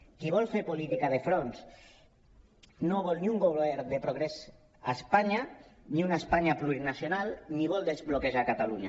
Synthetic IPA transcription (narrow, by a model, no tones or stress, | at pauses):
kiβ̞ɔlfeɾpolit̪ikað̞efɾons | noβɔlniuŋɡoβeɾðepɾoɣɾes | aespaɲaniunaespaɲapluɾinasjonalniβ̞ɔld̪ezβlokeʒakat̪aluɲa̰